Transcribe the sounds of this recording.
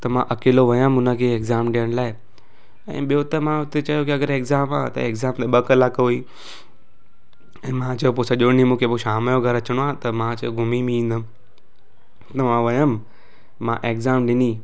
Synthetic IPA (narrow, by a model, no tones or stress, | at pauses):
t̪ɐmã̰ʔɐkeːloʋɐjəmʊnəkʰeeːkzaːmɗɪjəɽ̃laːɪ | ɛ̰̃ːɓijot̪ɐmãʊt̪et͡ɕɐjokiɐɡəɾeːkzaːma̰ːt̪ɐ̰eːkzaːmt̪eɓɐkɐlaːkɐɦui | ɛ̃ːmãt͡ɕɐjop̬osɐʄoɽnimũːkʰepoʃaːmjoɡʱɐɾɐt͡ɕəɽ̃oãːt̪ɐmãt͡ɕɐjoɡʱʊmimĩĩːnd̪əm | t̪ɐmãʋɐjəm | mã̰ʔeːkzaːmɗɪniː